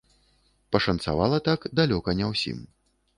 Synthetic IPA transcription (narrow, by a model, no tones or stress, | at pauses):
pɐʂɐnt̪sa̰va̰lˠɐt̪akd̪alʲɔkɐnʲɛwsʲḭm